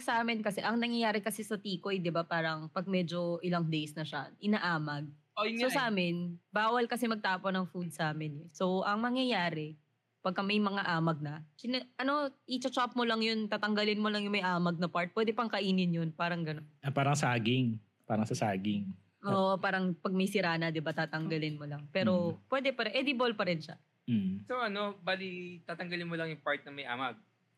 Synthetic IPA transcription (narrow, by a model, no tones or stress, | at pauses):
sɐʔaːmɪnkɐsɛʔɐŋnɐŋjɐjaːɾɛkɐsɛsɐt̪iːkojd̪ɪbapaːɾɐŋpɐɡ̚mɛd͡ʒo̞ʔɪlaŋd̪ejsnɐʃaʔɪnaʔaːmɐɡ̚ | sosɐʔaːmɪnbaːwɐlkɐsɛmɐɡ̚t̪aːponɐŋfud̪̚sɐʔaːmɪnɛsowʔɐŋnɐŋjɐjaːɾɛ | pɐɡ̚kɐmɐjmɐŋaʔaːmɐɡ̚nɐkɪnaʔɐno̞ʔit͡ʃɐt͡ʃap̚molɐŋjont̪aːt̪ɐŋɡɐlɪnmolɐŋjʊŋmɐjʔaːmɐɡ̚nɐpaɹt̪̚pwɛːd̪ɛpɐŋkɐʔiːnɪnjonpaːɾɐŋɡɐnonɐpaːɾɐŋsaːɡɪŋ | paːɾɐŋsɐsaːɡɪŋ | ʔoːʔopaːɾɐŋpɐɡ̚mɐjsɪɾaːnɐd̪ɪbat̪aːt̪ɐŋɡɐlɪnmolɐŋpɛːɾopwɛd̪ɛpɐɾʔɛd̪ɪbolpɐɾɪnʃɐ̰ | m̩sowʔɐno̞baːlit̪aːt̪ɐŋɡɐlɪnmolɐŋjʊŋpaɹt̪̚nɐmɐjʔaːmɐɡ̚